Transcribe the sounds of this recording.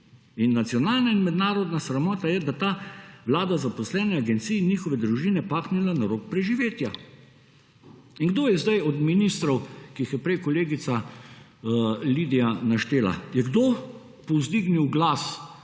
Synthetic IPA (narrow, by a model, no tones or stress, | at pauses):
inːat̪sijɔnaːlnainmɛd̪naːɾɔd̪nasɾamɔːt̪ajɛd̪at̪aːʋlaːd̪azapɔslɛːnɛaɡɛnt̪siːnjiːxɔʋɛd̪ɾuʒiːnɛpaːknɛlanaɾoːk̚pɾɛʒiʋeːt̪ja | iŋɡd̪oːjɛzd̪ajɔd̪minist̪ɾɔwkiixjɛpɾɛjkɔleːɡit̪sa | lid̪ijanaʃt̪eːla̰jɛɡd̪o | pɔzd̪iɡniwɡlas